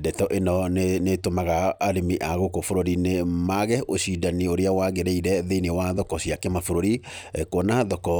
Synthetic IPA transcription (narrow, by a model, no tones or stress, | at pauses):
dɛtɔʔenɔnnetomaɣaːɾimiʔaɣokofoɾoɾinemaɣɛʔoɕidanioɾeawaɣeɾeiɾɛðeinewaðɔkɔɕiakɛmafoɾoɾikonaðɔkɔ